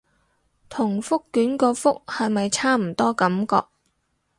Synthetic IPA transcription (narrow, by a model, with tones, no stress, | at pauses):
t̪ʰʊ˨˩ŋfʊ˥kːyː˨˥nkɔː˧fʊ˥k̚hɐ˨jmɐ˨jt͡sʰaː˥m̩˨˩t̪ɔː˥kɐ˨˥mkɔ̰ː˧k̚